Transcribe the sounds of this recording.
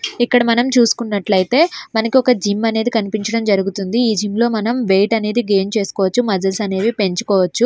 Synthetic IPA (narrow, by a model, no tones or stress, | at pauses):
ikːɐɽɐmɐnɐmt͡ʃuːsu̥kunːɐʈlɐjit̪e̞ːmɐnɐkiɔkɐd͡ʒimːɐne̞ːd̪ikɐnipiɲt͡ʃɐɽɐmd͡ʒɐɾuɡut̪und̪iiːd͡ʒimlo̞ːmɐnɐmʋe̞ːʈɐne̞ːd̪iɡe̞ːnt͡ʃe̞ːsu̥kɔːʋɐt͡ʃːumɐd̪ɐlsɐne̞ːʋipe̞ɲt͡ʃu̥kɔːʋɐt͡ʃːu